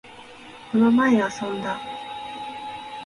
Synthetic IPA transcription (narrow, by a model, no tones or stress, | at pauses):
ko̞no̞maeasõ̞nd̪a